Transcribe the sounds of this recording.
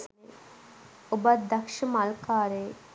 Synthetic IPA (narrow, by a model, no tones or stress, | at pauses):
e | obɐd̪ɐkʃəmɐlkaːɾeː